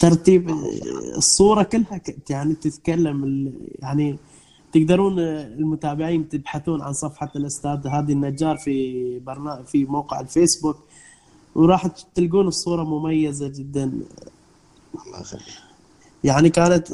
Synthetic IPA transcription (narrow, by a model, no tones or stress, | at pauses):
t̪ɑɾˤt̪iːbɨ̰sˤːuːɾˤɑkɪlːhakɪt̪jaʕnit̪ɪt̪kalːamɪja̰ʕni | t̪ɪɡd̪ɑɾˤuːnɪlmʊt̪aːbɪʕiːnt̪ɪbħaθuːnʕa̰nsˤɑfħɑlʔʊst̪aːd̪haːd̪inːad͡ʒːɑːɾˤfibɑɾˤnaːfimawqɪʕɪlfeːsbuk | wɾˤɑːħt̪ɪlɡuːnɨsˤːuːɾˤɑmʊmajːazad͡ʒɪd̪ːan | l̰ | jaʕnikaːnat̪